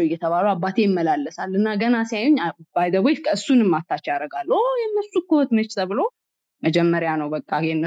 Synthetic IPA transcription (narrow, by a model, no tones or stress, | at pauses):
wɪjɛt̪ʰəβaluabːat̪ʰe̞jɪmːəlalːəsalɨnːaɡənasajuɲːbajd̪əβojkʰəɨsːunɨmːat̪ʰːat͡ʃːɛaɾəɡalːojɛnːəsːukəhot̪mɨt͡ʃːt̪ʰəβɨlo̞ | məd͡ʒɛmːəɾjanəwbəkʼːaɛnːə